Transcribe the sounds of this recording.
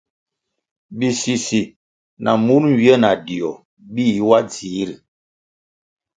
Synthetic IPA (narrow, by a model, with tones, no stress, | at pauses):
bi˨si˨si˨ | na˨mu˦nm̩˨wjə˦na˨di˨ɔ˨ | bi˦˨˦wa˦d͡zi˨˦ɾi˨